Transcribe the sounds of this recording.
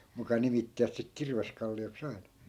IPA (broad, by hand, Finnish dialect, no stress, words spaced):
mukɑ nimitːiʋæt sik kirʋeskɑlːioks ɑi̯nɑ